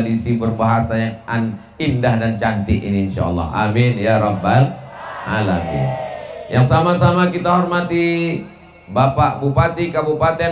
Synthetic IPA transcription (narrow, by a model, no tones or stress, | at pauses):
disibərbaɦasajaŋan | indahdant͡ʃant̪iḭniːnʃa̰ɑ̰lːɑ̰ɦa̰minjaɾɑbalʔa̰lamḭnjaŋsamasamakit̪aɦɔrmat̪i | bapaʔbupat̪ikabupat̪ɛ